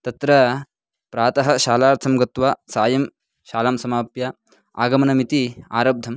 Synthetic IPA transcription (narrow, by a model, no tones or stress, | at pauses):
t̪ɐt̪ɾɐ | pɾaːt̪ɐɦɐʃaːlaːɾt̪ʰɐmɡɐt̪ʋasaːjɐm | ʃaːlaːmsɐmaːpja | a̰ːɡɐmɐnɐmit̪ia̰ːɾɐb̚d̪ʱɐm